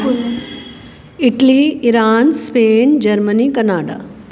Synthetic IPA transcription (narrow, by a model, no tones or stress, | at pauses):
ɪʈliɪɾaːnspeːnd͡ʒɐɾmənikɐnaːɖa̰